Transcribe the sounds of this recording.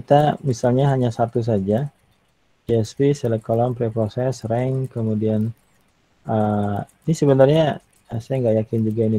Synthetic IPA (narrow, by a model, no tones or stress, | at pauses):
kit̪amisalɲaɦaɲasat̪us̬ad͡ʒa | d͡ʒiɛspisɛləkolɔmpɾepɾosɛsrɛŋkəmudian | əinisəbənarɲa | sajaŋɡajakɪnd͡ʒuɡaini